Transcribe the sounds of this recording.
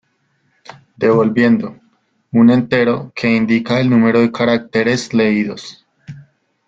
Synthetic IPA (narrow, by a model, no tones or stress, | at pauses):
d̪e̞βo̞lbje̞nd̪o̞ | unẽ̞nt̪e̞ɾo̞kʰe̞ind̪ikae̞lnũme̞ɾo̞ðe̞kaɾak̚t̪eɾe̞sle̞iðo̞s